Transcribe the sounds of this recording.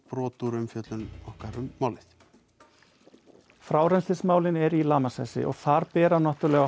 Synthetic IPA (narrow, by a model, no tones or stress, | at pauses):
pɾɔːt̪uɾʏmfjœt̪lʏnɔhkaɾʏmːaːwlɪθ | fɾaːwɾɛnst̪ɪsmaːwlɪnɛɾilaːmasa̰ːjsɪ̰ʔɔ̰ɣθaɾpɛːɾanɔht̪ʏɾlɛɣa